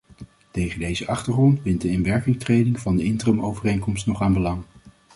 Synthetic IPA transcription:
tejχəndejzəʔɑχtəɹχrɔntbɪntdəɪnʋɛɹkɪŋtrejdɪŋvɑndəɪntrəmowvərejŋkɔmstnɔχaːnbəlɑŋ

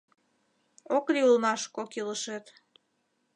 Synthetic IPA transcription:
oklʲiulmɑʃkokiləʃet̪

